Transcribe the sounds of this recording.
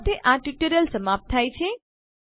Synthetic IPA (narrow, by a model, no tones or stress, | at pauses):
t̪ʰeʔãʈiʈəɾəlsəmap̚t̪ʰːajt͡ʃʰe